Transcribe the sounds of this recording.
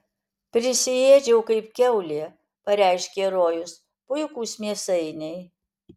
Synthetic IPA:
pʲɾʲɪsʲɪjeːd͡ʒʲɛʊkɐɪpkʲɛʊlʲeː | pɐɾʲæɪʃʲkʲeːɾoːjʊs | pʊjkuːsmʲiɛsɐɪnʲɛɪ

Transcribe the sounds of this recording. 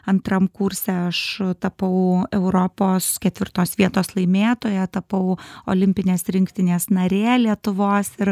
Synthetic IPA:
ɐnt̪ɾɐmkuɾʲsʲɛːɐʃt̪ɐpɐʊɛʊɾopoːskʲɛt̪ʲʋʲɪɾt̪oːsʋʲiɛt̪oːslˠɐɪmʲeːt̪oːjɛt̪ɐpɐʊo̰ːlʲɪmʲpʲɪnʲeːsɾʲɪŋʲkt̪ʲɪnʲeːsnɐɾʲeːlʲiɛt̪ʊʋoːsɪɾ

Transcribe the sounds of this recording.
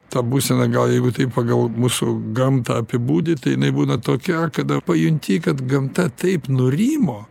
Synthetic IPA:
t̪ɐbuːsʲɛnɐɡɐlˠjɛɪɡʊt̪ɐɪppɐɡɐlˠmuːsʊɡɐmt̪ɐɐpʲɪbuːd̪ʲɪt̪ɐɪjɪnɐɪbuːnɐt̪oːkʲɛkɐd̪ɐpɐjʊnʲt̪ʲiːkɐt̪ɡɐmt̪ɐt̪ɐɪpnʊɾʲiːmoː

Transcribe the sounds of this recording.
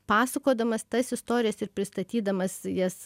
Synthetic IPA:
pɑːsɐkoːd̪ɐmɐst̪ɐsɪst̪oːɾʲɪjɛsɪɾpʲɾʲɪst̪ɐt̪ʲiːd̪ɐmɐsjɛs

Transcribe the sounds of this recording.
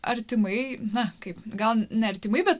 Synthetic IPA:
ɐ̰ɾʲt̪ʲɪmɐɪnɐkɐɪpɡɐlˠnʲɛɐɾʲt̪ʲɪmɐɪbʲɛt̪

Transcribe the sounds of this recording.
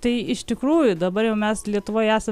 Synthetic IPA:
t̪ɐɪɪʃt̪ʲɪkɾuːjʊd̪ɐbɐɾjɛʊmʲɛslʲiɛt̪ʊʋoːjæːsɐ

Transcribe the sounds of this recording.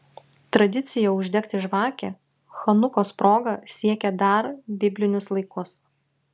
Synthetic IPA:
t̪ɾɐd̪ʲɪt̪sʲɪjɛʊʒʲd̪ʲɛkt̪ʲɪʒʋɑːkʲɛ | xɐnʊkoːspɾoːɡɐsʲiɛkʲɛd̪ɐɾbʲɪbʲlʲɪnʲʊslˠɐɪkʊs

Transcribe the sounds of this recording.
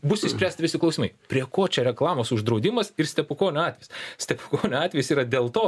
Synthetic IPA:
bʊsʲɪsʲpɾʲæːsʲt̪ʲɪʋʲɪsʲɪklˠɐʊsʲːmɐɪpʲɾʲiɛkoːt͡ʃʲɛɾʲɛklˠɑːmoːsʊʒd̪ɾɐʊd̪ʲɪmɐsɪrsʲt̪ʲɛpʊkoːnʲʊɑːtʲʋʲɛɪjssʲt̪ʲɛpʊkoːnʲʊɑːt̪ʲʋʲɛjʊsiːɾɐd̪ʲeːlˠt̪oː

